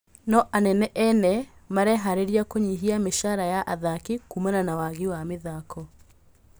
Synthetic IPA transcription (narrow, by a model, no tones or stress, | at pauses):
nɔʔanɛnɛʔɛnɛmaɾɛɦaɾeɾiakoɲiɦiameʃaɾajaʔaðakikumananawaɣewameðakɔ